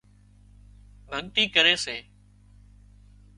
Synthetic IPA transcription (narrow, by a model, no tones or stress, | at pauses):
bʱəɠt̪iːkəɾeːseː